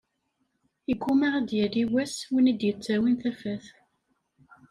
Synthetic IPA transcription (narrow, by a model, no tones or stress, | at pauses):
iɡʷːumaʁæd̪jæliwæswinid̪jət͡sːæwinθæfæθ